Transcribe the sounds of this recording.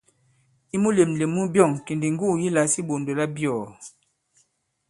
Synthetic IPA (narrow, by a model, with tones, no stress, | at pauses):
i˦mu˦le˨mle˨mu˦bjɔ˦˨ŋki˨ndi˨ŋ˦ɡu˦˨ji˦la˨˦si˦bo˨ndo˨la˦bjɔ˨